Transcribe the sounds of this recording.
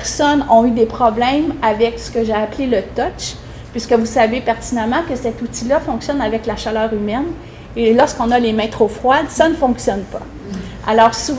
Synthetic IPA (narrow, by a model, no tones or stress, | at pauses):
ɛʁsɔnɔ̃yd̪epχɔblɛ̃mavɛksə̥kəʒaaplelət̪ɔt͡ʃ | pɥiskəvusavepɛʁt̪inamɑ̃kəsɛt̪ut̪ilafɔ̃ksjɔnavɛklaʃalœːʁymɛn | elɔʁskɔ̃nalemɛ̃t̪χofχwad̪sanəfɔ̃ksjɔnpa | a̰lɔːʁsuv